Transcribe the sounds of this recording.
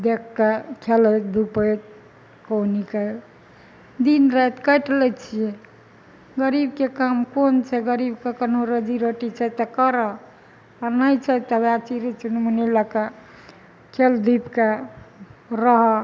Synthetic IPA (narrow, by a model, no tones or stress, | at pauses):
d̪ekːakʰeləd̪upəjt̪ | konikəl | d̪inɾəjt̪kəjʈlɛt͡ʃʰije | ɡəɾibkekamkont͡ʃʰɛɡəɾibkekənoɾəd͡ʒiɾoʈit͡ʃʰɛt̪ɔkəɾɔ | aɾnəjt͡ʃʰɛt̪ɔwat͡ʃiɾit͡ʃunmuniləka | kʰeld̪ipka | ɾəɦɔ